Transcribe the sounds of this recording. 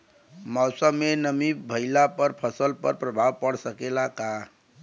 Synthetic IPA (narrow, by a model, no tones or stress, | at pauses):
məwsəmenəmibʱəɪlapəɾpʰəsəlpə̰ɾpɾəbʱabpəɽsəkelaka